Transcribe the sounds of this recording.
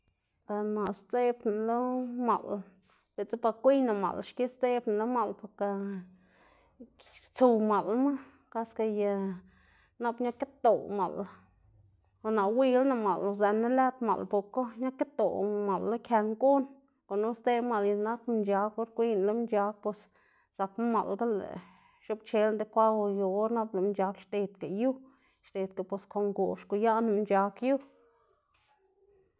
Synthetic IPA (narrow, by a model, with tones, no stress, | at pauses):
ka˨na˨ʔst͡se˦bna˨lo˦ma˨l | t̪e˨t͡se˦pa˧kʷi˦jna˨ma̰˨lʃki˦st̪e˦bna˨lo˦ma˧˨lpo˧ɾka˧ | t͡su˧ma˨lma˦ | ka˦ska˧ja˧ | na˦pɲa˦ka˦t̪o˨ma̰˨l | a˧na˨wi˧lna˨ma˨lza˨ne˦læ˦t̪ma̰˨lpo˨ɾko˦ɲa˦ka˦t̪o˨ma˨lːo˦kʲja˧ŋku˦n | ko˨nu˦st̪e˦ma˨lɲi˧na˦km˧nd͡ʒa˧ko˦ɾkʷi˦nlo˦mnd͡ʒa˧˦k̚pe˧s | sa˨km˦ma̰˨lɡa˦lḛ˨ | ʃo˦bt͡ʃe˧˦lnd̪e˧˦kʷa˦wjo˧o˦ɾna˦blo˨mnt͡ʃa˧kʃt̪e˧t̪̚ka˨ju˦ | ʃt̪e˨t̪̚ka˨po˧skʰo˨ŋɡu˨ʃko˨ja˦na˧m˧t͡ʃa˧kju˦